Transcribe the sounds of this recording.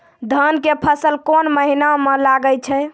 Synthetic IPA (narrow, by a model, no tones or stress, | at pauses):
d̪ʱənkepʰəsəlkonməɦinamelaɡət͡ʃʰɛ